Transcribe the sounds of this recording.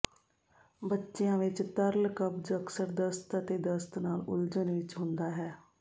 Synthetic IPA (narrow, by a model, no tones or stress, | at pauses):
bətːʃejãːʋɪt͡ʃt̪əɾlkəbd͡ʒəksəɾd̪əst̪t̪eːd̪əst̪naːlʊ̰ld͡ʒənʋɪt͡ʃɦʊ̃nd̪aːɦɛː